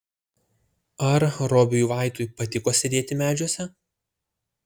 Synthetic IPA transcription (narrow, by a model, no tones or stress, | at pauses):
ɐɾɾɔːbʲɪjuːʋɑˑɪt̪ujpɐt̪ʲɪkoːsʲɪd̪ʲeːt̪ʲɪmʲæːd͡ʒʲuɔsʲɛ